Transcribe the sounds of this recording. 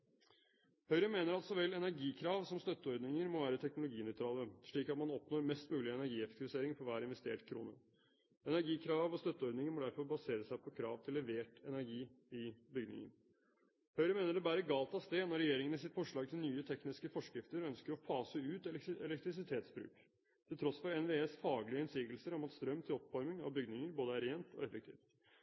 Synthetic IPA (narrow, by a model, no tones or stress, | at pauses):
hœʏɾəmeːnəɾɑlt̪sɔʋɛlːɛnæɾɡiːkʰɾɑːʋsɔmst̪œt̪ːəɔɾd̪nɪŋəɾmɔʋæːɾət̪ʰɛknʊlʊɡiːnœʏt̪ɾɑːləʂɭiːkɑt̪mɑnɔpnoːɾmɛst̪mʉːlɪɛnæɾɡiːɛfɛk̚t̪ʰɪʋɪseːɾɪŋfɔʋæːɾɪnʋɛst̪ḛːʈkʰɾṵːnə̰ | ɛnæɾɡiːkʰɾɑːʋɔst̪œt̪ːəɔɾd̪nɪŋəɾmɔd̪æɾfɔɾbɑseːɾəsæɪpʰɔkʰɾɑːʋt̪ʰɪlːɛʋeːʈɛnæɾɡiː | ɪbʏɡdnɪ̰ŋə̰n | hœʏɾəmeːnəɖɛbæɾəɡɑːlt̪ʰɑst̪eːnɔɾɛjeːɾɪŋənəsɪt̪fɔʂɭɑːɡ̚t̪ʰɪlnyːət̪ʰɛknɪskəfɔʂkɾɪft̪əɾœnskəɾɔpʰɑːsəʉːt̪ɛlɛɛlɛk̚t̪ɾɪsɪt̪ʰeːt̪sbɾʉ̰ːk | t̪ʰɪlt̪ʰɾɔsfɔɾɛnʋeːeːsfɑːɡlɪəɛnsiːɡəlsəɾɔmɑt̪st̪ɾœmt̪ʰɪlɔpʋɑɾmɪŋɑ̰ʋbʏɡdnɪŋəɾboːd̪əæɾeːnt̪ʰɔ̰ɛfək̚t̪ʰḭːft̪